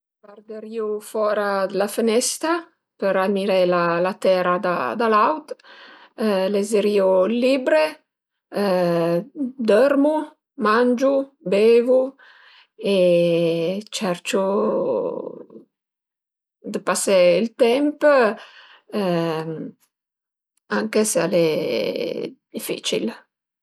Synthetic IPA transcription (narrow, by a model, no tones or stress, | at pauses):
bard̪əɾiufɔːɾad̪əlafənɛst̪ɾa | pəɾamiɾelalat̪ɛːɾad̪a̰d̪alawt̪ | lezeɾiːulibɾe | d̪ɔɾmu | mand͡ʒubeːvu | e | t͡ʃɛɾt͡ʃu | d̪əpaseilt̪ɛmp | aŋkesale | d̪̥ifḭt͡ʃḭl